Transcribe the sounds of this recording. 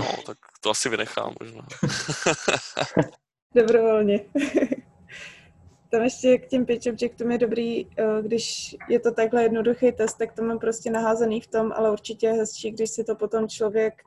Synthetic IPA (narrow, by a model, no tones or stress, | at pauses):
no̰t̪ak̚ | t̪oʔasɪvɪnɛ̰xa̰ːmːo̰ʒnaː | do̞bɾovo̞lɲɛ | t̪amɛʃcɛkcɛmpɪt͡ʃɛmt͡ʃɛk̚t̪umjɛdo̞bɾiːɡdɪʃjɛt̪o̞t̪aɡɦlɛjɛdnoduxejt̪ɛst̪ːak̚t̪omampɾoscɛnaɦaːzɛniːft̪o̞mʔa̰lɛuɾt͡ʃɪcɛjɛɦɛst͡ʃiːɡdɪʃsɪt̪o̞po̞t̪o̞mt͡ʃlo̞vjɛk